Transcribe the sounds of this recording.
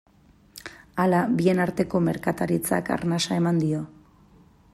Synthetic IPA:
alabie̞naɾt̪e̞ko̞me̞ɾkat̪aɾit͡sa̰ka̰ɾnasae̞mand̪io̞

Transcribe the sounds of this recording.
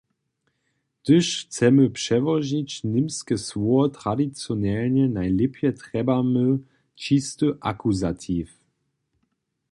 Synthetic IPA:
d̥əʃt͡sɛməpʃɛvɔʒit͡ɕnɪmskəsvɔɐtʁ̥adit͡sjonɛlnənajlɪpʰjətʁ̥ɛbamə | t͡ʃistəʔa̰kuzatʰif

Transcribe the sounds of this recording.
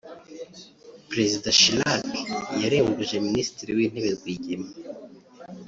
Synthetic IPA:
pɾe̞zidaʃilakjaɾeːŋɡuʒe̞minisi̥tiɾiwiːn̥eβeɾɡwiːɟema

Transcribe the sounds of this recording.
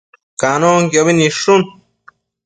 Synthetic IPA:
kanõŋkjoβinĩʂun

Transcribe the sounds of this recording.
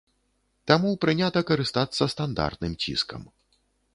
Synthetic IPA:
t̪amupɾɨnʲat̪ɐkɐɾɨst̪at̪sːɐst̪and̪a̰rt̪̚nɨmt͡sʲḭskɐ̰m

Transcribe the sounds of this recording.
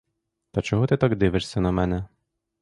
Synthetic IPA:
t̪ɐt͡ʃɔɦɔt̪ɪt̪ɑɡd̪ɪʋɪʂsʲɐnɐmɛnɛ

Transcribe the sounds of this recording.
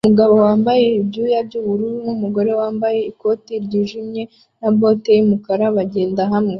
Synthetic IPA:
umuɡaβo̞waːmbaje̞ibɟujabɟuːβuɾunumuɡo̞ɾe̞waːmbaje̞iko̞tiɾɟiːʒimɲe̞ | nabo̞te̞jimukaɾaβaɟe̞ːndaɦamŋe

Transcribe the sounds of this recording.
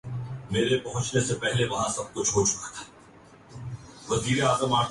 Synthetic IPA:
meːɾepɐɦʊ̃t͡ʃnesepɛɦleʋɐɦãsɐb̚kʊt͡ʃʰɦot͡ʃʊ̥kḁt̪ʰḁ | ʋɐziːɾeaːzəmaːʈ

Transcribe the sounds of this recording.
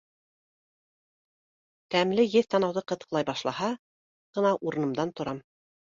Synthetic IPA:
t̪æmlɘjɘðt̪ɑnɑwðɤqɤ̆t̪ɤ̥̆qlˠɑjbɑʃlˠɑhɑ | ʁ̥ɤ̆nɑʔuɾɤ̆nɤ̆md̪ɑnt̪ŏɾɑm

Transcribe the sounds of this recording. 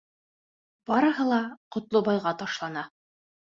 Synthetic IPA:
b̥ɑɾɤ̆ɦɤlˠɑqŏt̪lˠobɑjʁɑt̪ɑʃlˠɑnɑ

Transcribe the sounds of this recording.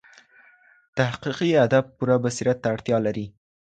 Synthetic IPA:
t̪ahqiqiad̪ab̚puɾabasiɾat̪ːaːɽt̪jɑlaɾi

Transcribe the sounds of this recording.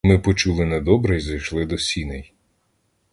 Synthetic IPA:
mɪpɔt͡ʃulˠɪnɛd̪ɔbɾɛjzɐjʃlˠɪd̪ɔsʲinɛj

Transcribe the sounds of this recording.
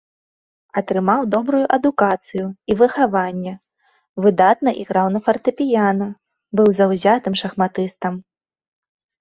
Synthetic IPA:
ɐt̪ɾɨmawd̪ɔbɾujuʔɐd̪ukat̪sɨjuivɨxavanʲːɛ | vɨd̪at̪̚nɐʔiɣɾawnɐfɐrt̪ɨpʲijanɐ | bɨwzɐwzʲat̪ɨmʂɐxmat̪ɨst̪ɐm

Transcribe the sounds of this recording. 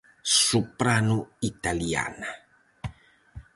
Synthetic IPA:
supɾanuit̪alia̰na

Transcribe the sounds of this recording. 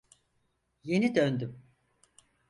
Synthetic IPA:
je̞nid̪ønd̪ym

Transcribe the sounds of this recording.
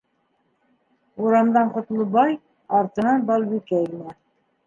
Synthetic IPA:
uɾɑmd̪ɑɴqŏt̪lˠɤbɑj | ɑɾt̪ɤ̆nɑnbɑlˠβikæilnæ

